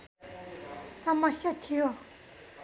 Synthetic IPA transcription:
samːaɕatʰio

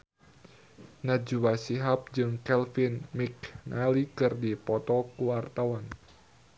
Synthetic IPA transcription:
nad͡ʒuwasiɦap̚d͡ʒɨŋkɛlfinmiknʔalikɨrdipɔt̪ɔkuwart̪awan

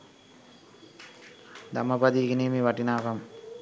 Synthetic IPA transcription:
d̪ɐmɐpɐd̪iɡiniːmiʋɐʈːinaːɣɐm

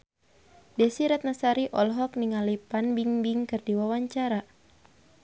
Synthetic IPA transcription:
dɛsiɾat̪̚nasaɾiʔɔlɦɔk̚niŋalipanbiŋbiŋkɨrdiwawaɲt͡ʃaɾa

